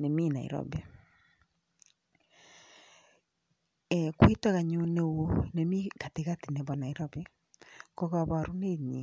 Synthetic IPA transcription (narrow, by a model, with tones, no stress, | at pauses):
ne˨mi˦na̰˨ḭ˨ɾɔ̰be˨ | kwi˦ta˦ɣa˨ɲo˨ne˦one˨mi˦ka˨te˨ɣa˦ti˨ne˨βɔ˨na˨iɾɔ˦be | ko˦ɣa˨βa˨ɾu˦ne˦ɲi˨